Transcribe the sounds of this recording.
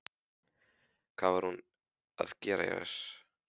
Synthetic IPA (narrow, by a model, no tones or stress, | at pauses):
kʰvaːvaɾ̥hun | a̰ðcɛːɾa̰jɛ̰ɾɛ̰s